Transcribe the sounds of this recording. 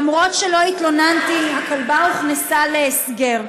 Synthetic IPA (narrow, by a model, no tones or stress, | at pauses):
mʁo̞tʃelo̞it̪lo̞nant̪iakalbauχnesaleːsɡe̞ʁ